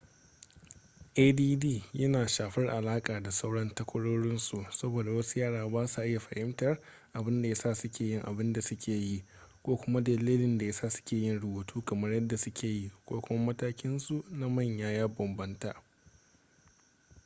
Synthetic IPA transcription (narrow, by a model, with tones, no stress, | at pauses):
ʔeː˦diː˦diː˦˨jɐ˦naː˨ʃaː˨ɸɪ˦rʔa˨laː˦kʼaː˨da˨sa˦wɽɐ˦ntɐ˦kʷʊ˦ɽoː˦ɽɪ˦nsu˨sɐ˦boː˨da˨wɐ˦su˦jaː˦ɽaː˨baː˦su˨ʔɪ˦ja˨ɸɐ˨hɪ˦mtɐ˨r | ʔa˨bɪ˦nda˨ja˦saː˦˨sʊ˦kʲeː˨jɪ˦ŋʔa̰˨bɪ˦nda˨sʊ˦kʲʰeː˨ji˦ | kʷoː˦kʷʊ˦ma˦dɐ˨liː˦lɪ˦nda˨ja˦saː˦˨sʊ̥˦kʲeː˨jɪ˦nɽʊ˨buː˨tʰuː˦kɐ˨mɐ˦rjɐ˦dːa˨sʊ˦kʲeː˨ji˦kʷoː˦kʷʊ˦ma˦mɐ˦taː˦kʲɪ˦nsu˨na˦mɐ˦˨ɲjaː˦jaː˦bɐ˨mbɐ˦ntaː˦˨